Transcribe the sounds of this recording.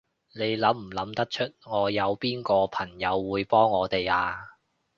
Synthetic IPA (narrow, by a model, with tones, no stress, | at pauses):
ne˨˧jlɐ˨˥mm̩˨˩lɐ˨˧˥mt̪ɐ˥k̚t͡ʃʰɵ˥t̚ŋɔː˨˧jɐ˨˧wpiː˥nkɔː˧pʰɐ˨˩ŋjɐ˨˧wːuː˨˧jpɔː˥ŋːɔː˨˧t̪e˨jaː˧